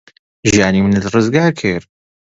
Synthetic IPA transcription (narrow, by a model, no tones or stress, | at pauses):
ʒijaːnimɨnɨt̪rɨzɡaːɾkʰɨɾ